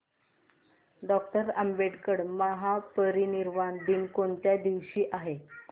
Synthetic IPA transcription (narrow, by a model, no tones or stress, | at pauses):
ɖɔk̚ʈəɾəmbeʈkəɽməɦapəɾiniɾmand̪inkoɳt̪jad̪iʋɕiːʔaɦe